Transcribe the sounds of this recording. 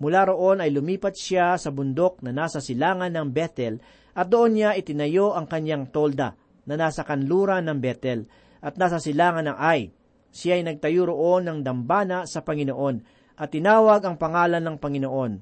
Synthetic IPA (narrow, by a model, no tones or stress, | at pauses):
mʊlaɾo̞ʔo̞nɐjlʊmiːpɐt̪̚sasɐbʊnd̪o̞k̚nɐnaːsɐsɪlaːŋɐnːɐŋbɛt̪ɛl | ʔɐt̪̚d̪oʔo̞nɲaʔɪt̪ɪnɐjo̞ʔɐŋkɐɲjaŋt̪o̞ld̪ɐ̰ | nɐnaːsɐkɐnluːɾɐnɐŋbɛt̪ɛl | ʔɐt̪̚naːsɐsɪlaːŋɐnɐŋʔaj | sɪjaɐjnɐɡ̚t̪ɐjuɾoʔo̞nːɐŋd̪ɐmbaːnɐsɐpɐŋɪnoʔo̞n | ʔɐt̪ːɪnaːwɐɡɐŋpɐŋaːlɐnːɐŋpɐŋɪnoʔo̞n